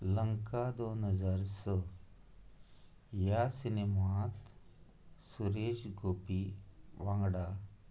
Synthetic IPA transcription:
ləŋkad̪onɦəd͡zaɾsə | jasinemat̪ | suɾed͡ʑɡopiʋãŋɡɽa

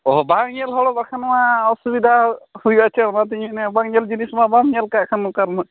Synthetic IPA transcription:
ɔɦbaŋɲɛlɦɔɽɔbaɾkʰanmaɔsubid̪ʱahujat͡ʃʰɛɽmat̪̬iɲunɛbaŋɲɛld͡ʒinismabaŋɲɛlkakʰanːɔkaɾmɔ

